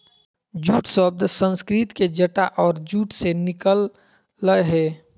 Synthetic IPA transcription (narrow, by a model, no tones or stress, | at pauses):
d͡ʒuːʈswəb̚d̪ʱsə̃nskɾɪt̪ked͡ʒəʈaʔɔːɾd͡ʒuːʈsenɪkəlː | əjɦɛː